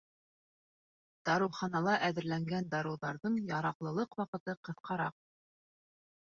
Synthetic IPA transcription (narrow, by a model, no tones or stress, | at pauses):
d̪̥ɑɾɤ̆wχɑnɑlˠɑʔæðɘ̆ɾlæŋɡænd̪ɑɾɤ̆wðɑɾðɤɴjɑɾɑqlˠɤ̆lˠɤqwɑqɤ̆t̪ɤqɤ̆θqɑɾɑq̚